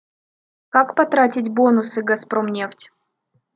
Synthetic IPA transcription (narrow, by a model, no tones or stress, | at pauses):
kakpɐt̪ɾatʲɪtʲbo̞nʊsɨɡɐspɾomnʲeftʲ